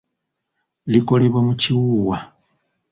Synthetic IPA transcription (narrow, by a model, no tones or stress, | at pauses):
liko̞leβwamuciwuːwa